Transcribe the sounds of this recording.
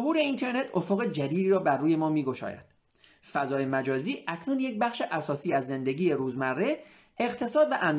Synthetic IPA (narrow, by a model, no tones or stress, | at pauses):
oɦuːɾe̞int̪ʰe̞ɾnet̪ʰo̞foɣed͡ʒæd̪iːd̪iːɾɒːbærːuːje̞mɒːmiːɡo̞ʃɒ̰ːjæ̰d̪̥ | fæzɒːje̞mæd͡ʒɒːziːʔæcʰnuːnje̞c̚bæxʃe̞ʔæsɒːsiːæzːe̞nd̪e̞ɟiːjeɾuːzmærːe̞ | eɣt̪ʰe̞sɒːd̪væʔæm